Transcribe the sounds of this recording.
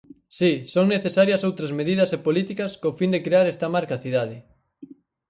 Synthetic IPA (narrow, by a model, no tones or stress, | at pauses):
sisoŋneθesaɾjɐsowt̪ɾɐzmeðiðɐsepolit̪ikɐskofind̪ekɾeaɾɛst̪ɐmaɾkaθiðaðɪ